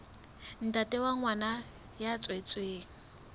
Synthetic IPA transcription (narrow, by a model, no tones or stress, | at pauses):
n̩tatʼɛwaŋwana | jat͡sʼwet͡sʼweːŋ̩